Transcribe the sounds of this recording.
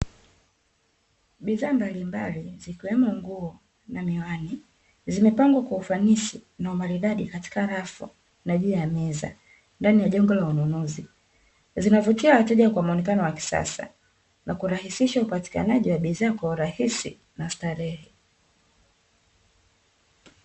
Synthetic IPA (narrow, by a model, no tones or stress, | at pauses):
ɓiðaːmbalimbalizikiwɛmɔŋɡuɔ | namiwani | zimɛpaŋɡwakwaufanisinaumaɾiɗaɗikati̥kaɾafṵ | naʄuːjamɛza̰ | ndanijaʄɛŋɡɔlaununuzi | zinavutiawatɛʄakwamɔnɛkanɔwaki̥sa̰sa̰ | nakuɾahisiʃaupati̥ka̰naʄiwaɓiðaːkwauɾahisḭ | nastaɾɛhɛ